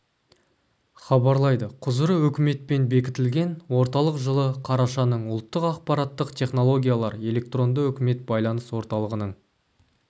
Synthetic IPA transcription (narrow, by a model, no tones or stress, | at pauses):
χɑbɑɾlˠɑjd̪əqʰʊzəɾəwɵkʲɪme̞t̪̚pe̞nbe̞kʲɪt̪ɪlɡʲe̞nwo̞ɾt̪ɑlˠəqʒəlˠəqʰɑɾɑʃɑnəɴʊlˠt̪ːəqɑq̚pɑɾɑt̪ːəqt̪ʲʰe̞χno̞lˠo̞ɡʲijalˠɑɾe̞le̞k̚t̪ro̞nd̪əwɵkʲɪme̞t̪̚bɑjlˠɑnəswo̞ɾt̪ɑlˠəʁənəɴ